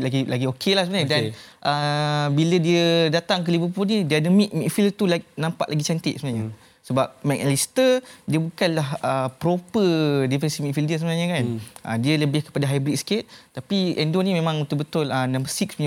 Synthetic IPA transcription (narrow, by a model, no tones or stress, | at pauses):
laɡilaɡiokʰelahsəbənaɲdanʔəbilədiədat̪aŋk̬əlibəpunidiadəmiʔ̚mĩkfilt̪ulanãmpaʔlaɡit͡ʃant̪ɪʔ̪̚səmənaɲə | səbap̚mɛk̚alist̪ədiəbukanlahəpɾopədifɛnsimikfildiəs̬əmənaɲakanʔə̰diələbɪhkə̥padaɦajbɾik̪̚sket̪̚t̪apiɛndonimẽmãŋut̪uʔbət̪ʊlənãmbəsiksɲ